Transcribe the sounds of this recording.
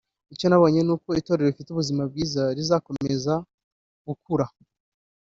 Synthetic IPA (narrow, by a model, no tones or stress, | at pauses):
ico̞naβo̞ːɲe̞nuːko̞ito̞ːɾe̞ɾoifituβuzimab̚ɡiːzaɾizako̞me̞za | ɡ̥ukuɾa